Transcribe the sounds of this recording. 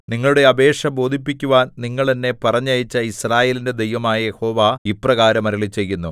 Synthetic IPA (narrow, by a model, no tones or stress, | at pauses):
niŋːɐɭuɽe̞ɐbe̞ːʂɐbo̞ːd̪ʱipːikʲːuʋaːnniŋːɐɭt̪ɐnːe̞pɐrɐɲːɐjit͡ɕːɐisraːje̞ːlinde̞d̪ejʋɐmaːjɐjeho̞ːʋaːiprɐɣaːɾɐmɐɾɐɭit͡ɕːe̞jːunːu